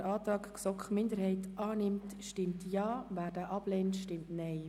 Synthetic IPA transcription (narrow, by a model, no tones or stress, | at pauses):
ɾɑːt̪ɾɑːkksɔkχmɪndəɾhɛɪtʔɑːnɪmtʃtɪmtjɑːvæːɾd̥aʔɑb̥leːntʃtɪmtnɛɪ